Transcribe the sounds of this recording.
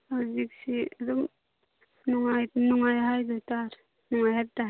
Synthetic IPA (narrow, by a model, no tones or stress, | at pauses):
aziksiadɔŋ | nɔŋajnɔŋajɦajdɔtaɾ | nɔŋajɦab̚ta